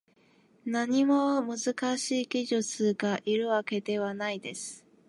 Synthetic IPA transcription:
naɲ̟imo̞mɯ̟zɨkaɕiːɡʲiʑɨt͡sɨɡaʔiɾɯ̟βake̞d̪e̞β̞anaid̪e̞sɨ̥

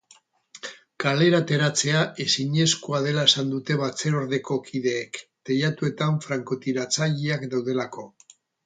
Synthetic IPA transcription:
kale̞ɾat̪e̞ɾat͡se̞aʔe̞siɲe̞skuað̞e̞lae̞sand̪ut̪e̞βat͡se̞ɾo̞ɾðe̞ko̞kʰiðe̞ːkt̪e̞ʎat̪ue̞t̪aɱfɾaŋkot̪iɾat͡saʎiakd̪awð̞e̞lako̞

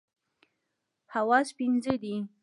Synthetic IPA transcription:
hawaspinzed̪i

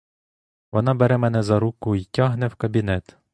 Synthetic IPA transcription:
ʋɔnɑbɛɾɛmɛnɛzɐɾukʊitʲɑɦnɛwkɐbʲinɛt̪

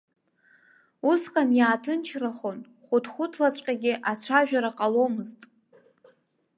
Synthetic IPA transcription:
usqʼamjaːtʰɨnt͡ʃʰraχon | χʷʊdχʷʊtʰlat͡ɕʷʼqʲʼaɡʲɪʔat͡ɕʷʰaʒᶣaɾaqʼalomɨztʼ

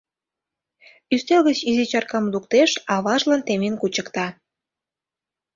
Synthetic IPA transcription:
yst̪elɣət͡ɕizit͡ɕɑrkɑmd̪ukt̪eʃɑβɑʒlɑnt̪emenkut͡ɕə̆kt̪ɑ

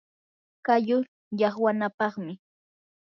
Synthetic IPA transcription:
kajʊ | jɑχwanapɑχmɪ

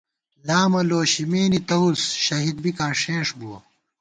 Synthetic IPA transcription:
laːmɐloːɕimeːnit̪ɐusɕɐɦid̪̚bikaːʂẽːʂbuɐ̰

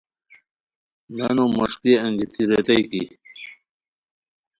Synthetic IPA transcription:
nanomɐʂkiɐŋɡit̪ʰiɾet̪ajkḭ

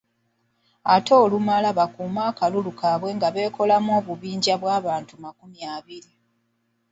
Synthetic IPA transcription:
ato̞ːlumalaβakuːmaːkalulukaβwe̞ːŋɡaβe̞ːko̞lamo̞ːβuβiːɲɟaβwaːβaːntumakumjaːβiɾi

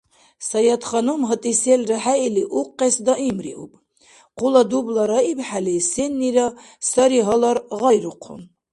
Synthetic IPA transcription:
sajɑt̪χɑnumɦət̪ʼisɛlraħailiʔuqʼːɛsd̪aʔimɾḭʔṵbʼ | qʼulad̪ublaɾaibħalisɛnːiɾa | saɾiɦɔlaɾʁɑjɾuqʰṵn

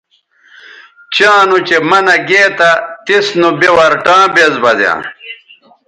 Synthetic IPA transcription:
t͡ɕãːnut͡ɕemɐnɐɡeːt̪ɐt̪isnubewɐɾʈãːbezbɐzjã̰ː

